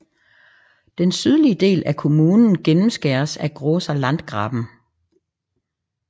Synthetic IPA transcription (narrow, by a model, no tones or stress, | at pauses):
d̥ensyð̞ˠliəd̥e̝̰ːlʔækʰo̝muːnn̩ɡ̥enm̩sɡ̥æɐsæɐɡ̥ʁoːsælæn̰d̥̚ɡ̥ʁɑ̈b̥n̩